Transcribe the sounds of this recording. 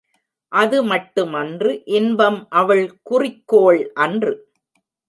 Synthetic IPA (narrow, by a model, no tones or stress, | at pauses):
ʔɐðɯmɐʈːɯmɐndrɯʔɪnbɐmʔɐʋɐɭkʊrɪkːoːɭʔɐndrɯ